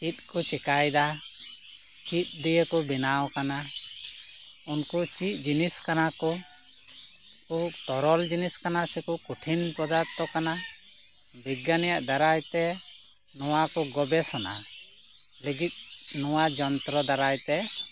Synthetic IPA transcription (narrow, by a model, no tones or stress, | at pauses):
t͡ʃit̪̚kɔt͡ʃɛkajd̪a | t͡ʃit̪̚ˀd̪ijəkɔbinawkana | unkut͡ʃit̪̚ˀd͡ʒiniskanakɔ | kut̪ɔɾɔld͡ʒiniskanasɛkukuʈʰinpɔd̪aɾt̪ɔkana | biɡanɛjaʔd̪aɾajt̪ɛ | nɔwakɔɡɔbɛsɔna̰ | leɡit̪̚nɔwad͡ʒɔnt̪ɾɔd̪aɾajt̪ɛ